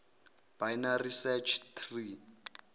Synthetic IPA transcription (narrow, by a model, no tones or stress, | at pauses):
b̥ajnarisɛt͡ʃʰt̪ʰri